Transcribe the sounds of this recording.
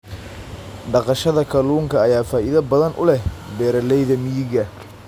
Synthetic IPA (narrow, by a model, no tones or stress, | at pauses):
ɖɑqɑʃɐðɐkʰɐluːŋkʰɐːjaːfaːʔiðɐbɐðɐnʔʊ̰lɛhbɛːɾɐlɛjðɐmɪjɪɣɐ